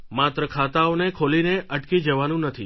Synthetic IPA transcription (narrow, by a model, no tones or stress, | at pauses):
mat̪ɾəkʰat̪aonekʰolineʔəʈkid͡ʒəʋanũnət̪ʰi